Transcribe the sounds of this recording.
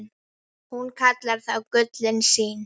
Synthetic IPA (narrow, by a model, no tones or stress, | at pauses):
n | hunkʰat̪laɾ̥θawkʏt̪lɪnsiːn